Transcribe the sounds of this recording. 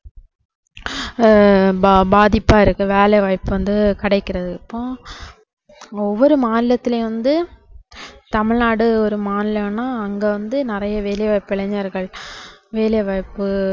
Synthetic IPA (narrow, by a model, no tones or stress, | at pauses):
baːðɪpːaːɪɾɯkːɯʋeːlɛʋaːɪpːɯʋɐnd̪ɯkɐɽɐɪkːɪɾɐðɯɪpːõː | ɔʋːɔɾɯmaːnɪlɐt̪ːɪleʋɐnd̪ɯ | t̪ɐmɪɻnaːɽɯɔɾɯmaːnɪlɐnaːɐŋɡeːʋɐnd̪ɯnɪrɐjɐʋeːlɐʋaːɪpːɪɭɐɲːɐɾɣɐɭʋeːlɛʋaːɪpːɯ